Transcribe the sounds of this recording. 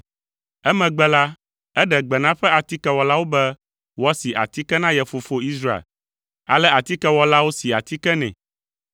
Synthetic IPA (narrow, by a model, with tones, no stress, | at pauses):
ɛ˦mɛ̃˨ɡ͡bɛ˦la˦ | ɛ˦ɖɛ˨ɡ͡bɛ˨nã˦ɸɛ˦a˨t̪i˦kɛ˦wɔ˨la˦wo˦bɛ˦ | wɔ˦si˨ʔa̰˨t̪i˦kɛ˦nã˦jɛ˨fo˨fo˦i˦sɾa˦ḛ˨l | a̰˨lɛ˦a˨t̪i˦kɛ˦wɔ˦la˦wo˦si˨a̰˨t̪i˦kɛ˦nɛ̰̃˨